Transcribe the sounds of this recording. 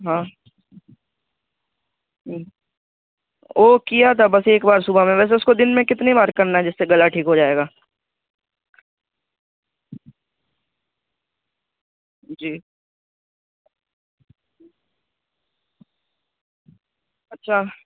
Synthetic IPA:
ɦãː | oːkijat̪ʰabɐseːkbaːɾsʊbamẽʋɛːs̬eʊskod̪ɪnmẽkɪt̪nebaːɾkɐɾnaɦɛd͡ʒɪsːeɡɐlaʈʰiːkɦod͡ʒaːeːɡaː | d͡ʒiː | ɐtːʃʰaː

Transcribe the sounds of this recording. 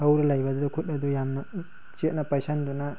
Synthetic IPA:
awɾalajbad̪d̪ukʰut̚ad̪ujamna | t͡ʃit̚napajsand̪una

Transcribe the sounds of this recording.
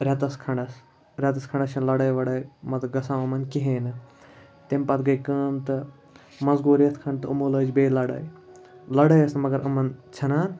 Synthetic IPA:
ɾʲɐt̪ɐskʰɐɳɖɐs | ɾʲɐt̪ɐskʰɐɳɖɐst͡ʃʰɐnlɐɽaːjʋɐɽaːjmɐt̪ɡɐsaːɐmɐnkiɦẽːnɨ | t̪empɐt̪ɡɐjkəːmt̪ɨ | mɐzɡoːɾet̪ʰkʰɐɳɖt̪ɨumoːləːd͡ʒbeːlɐɽa̰ːjlɐɽəjɐsnmɐɡɐɾɐmɐnt͡ʃʰɐnaːn

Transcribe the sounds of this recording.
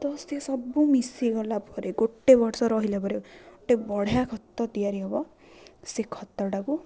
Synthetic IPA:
d̪ɔst̪iasɔbumisiɡɔlapɔɾeɡoʈːebɔɾsɔɾɔɦilapɔɾeɡoʈebɔɽ̤jakʰɔt̪ːɔd̪iaɾiɔbɔ | sekʰɔt̪ːɔɽaku

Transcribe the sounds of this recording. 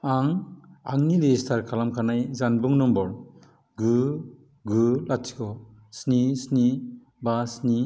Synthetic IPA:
aŋa̰ŋniɾestʰaɾkʰalamkʰanajzanbuŋnɔmbɔɾ | ɡu | ɡulatːʰi̥kɔ | snisni | basni

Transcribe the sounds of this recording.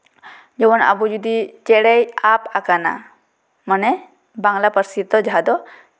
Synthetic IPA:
d͡ʒɛwɔna̰bud͡ʒud̪it͡ʃɛɽɛjapakana̰ | manɛ | baŋlapəɾsit̪ːɔd͡ʒaɦad̪ɔ

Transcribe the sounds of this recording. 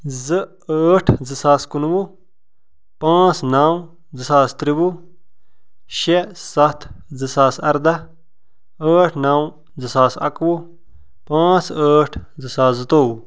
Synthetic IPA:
zɨ | əːʈʰd͡zɨsaːskunwu | pãːt͡snaːw | d͡zɨsaːst̪ɾibu | ʃesɐt̪ʰd͡zɨsaːsɐɾd̪a | əːʈʰnaːw | d͡zɨsaːsɐ̰kwu | pãːt͡səːʈʰd͡zɨsaːszɨt̪oːwu

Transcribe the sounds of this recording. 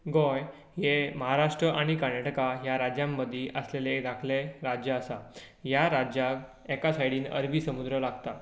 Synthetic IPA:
ɡɔj | ɦeməɦaɾaʂʈɾəʔaɽ̃ikəɾnaʈəkajaɾad͡ʑjamːəd̪ʱiːʔəsleleːd̪akʰleɾad͡ʑjəəsa | jaɾad͡ʑjak | ɛkasajɽiːnə̰ɾʋiːsəmud̪ɾəlaɡt̪a

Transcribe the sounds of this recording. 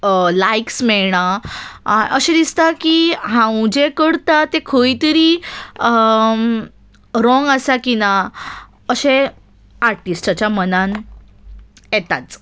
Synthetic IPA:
laiksmɛɭɳaa̰ʔəɕed̪ist̪akiɦãwd͡ʑekəɽt̪at̪ekʰojt̪əɾiːə | ɾɔ̃ŋɡasakina | əɕe | aɾʈisʈat͡ɕjamənan | jet̪a̰t͡s

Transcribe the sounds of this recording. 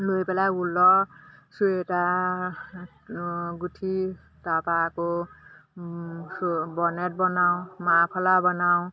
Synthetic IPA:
lujpelaulːʌsueʈa | ɡuʈʰi | t̪apako | sbʌneʈ̚bʌnaw̃mapʰʌlabʌnaw̃

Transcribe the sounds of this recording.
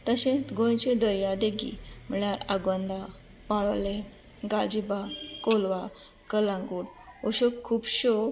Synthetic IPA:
t̪əɕẽɡõjt͡ɕẽd̪əɾjad̪eɡḭm̤əɭaɾaɡə̃nd̪a | paɭle | ɡad͡ʑibakolʋa | kəlãŋɡuɽoɕokʰːuːpɕo

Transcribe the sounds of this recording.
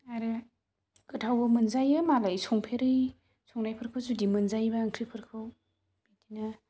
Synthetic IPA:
aɾe | ɡ̥ɯtʰawbɯmɯnzajɯmalajsɔŋpʰeɾɯj | sʰɔŋnajpʰɯɾkʰɯwzudimɯnzajbaːŋkʰɾipʰɯɾkʰɯw | itina

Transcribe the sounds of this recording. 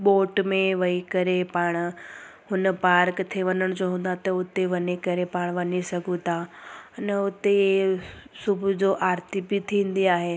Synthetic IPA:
ɓoːʈmẽʋɐikɐɾepaːɽ̃ | ɦʊnə̆paːɾkt̪ʰeʋɐnəɽ̃d͡ʑoɦũːn̆d̪at̪ɐʊt̪eʋɐnekɐɾepaːɽ̃ʋɐɲisɐɡʱũt̪ʰaɐnəʊt̪eesʊbʱʊd͡ʑoːʔaːɾt̪ibit̪ʰĩːn̆d̪iaːɦeː

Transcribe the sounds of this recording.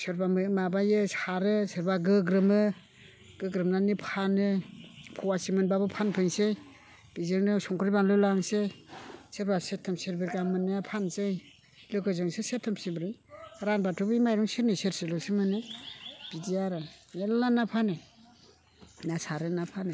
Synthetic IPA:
sɯɾbamɯmabajɯsaɾɯseɾbaɡɯɡɾɯmɯ | ɡ̥ɯɡɾɯmnanipʰanɯpʰɔwasimɯnbabɯpʰanpʰɯŋsej | b̥izɯŋnɯsɔŋkʰɯɾibanlɯlaŋseseɾbasetʰːɯmseɾbeɾɡamɯnːɯapʰansej | lɯkɯzɯŋsesetʰːɯmsibɾɯjɾanbatʰubɯjmajɾɔŋsiɾniseɾselɔsimɯnɯb̥iziaɾɯnellanapʰanɯ | nasaɾɯnapʰanɯ

